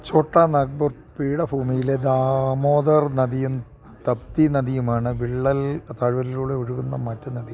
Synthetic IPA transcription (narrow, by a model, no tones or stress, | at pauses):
t͡ɕoːʈːɐnɐɡ̚bɐr | piːɽɐbʱuːmijiled̪aːmoːd̪ɐrnɐðijɐm | t̪ɐp̚t̪inɐðijumaːɳɨʋiɭːɐlt̪ɐɻʋɐɾiluːɽeuɻuɣunːɐmɐtːɐnɐd̪ij